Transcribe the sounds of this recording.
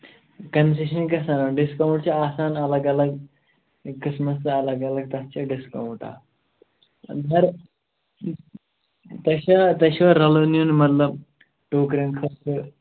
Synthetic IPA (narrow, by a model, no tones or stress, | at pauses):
kəns̬eɕənikɐsanaɖiskawɳʈ̚t͡ɕaːsanɐləɡɐləɡ | kisməsɐləɡɐləɡ̚t̪ɐst͡ɕaɖiskawũɳʈa̰ | d̪ʱəɾ | t̪ɐɕat̪ɐɕaɾɐlonijunmət̪ləb | ʈokɾənkʰɐt̪ɨ